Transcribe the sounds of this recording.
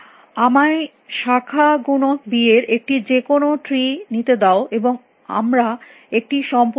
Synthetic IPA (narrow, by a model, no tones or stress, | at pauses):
amae | ʃakʰaɡunok̚bieɾek̚ʈid͡ʑekonoʈɾinit̪ed̪aoʔeboŋ | a̰mɾa | ek̚ʈiʃɔmp